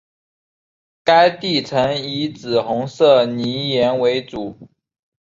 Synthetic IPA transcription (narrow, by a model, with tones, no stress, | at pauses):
ka˥ɪt̪i˥˩t͡sʰə˧˥ŋi˧˥t͡sɹ̩˨˩xʊ˧˥ŋsɤ˥˩ni˧˥jɛ˧˥nwe˧˥ɪt͡su˨˩˦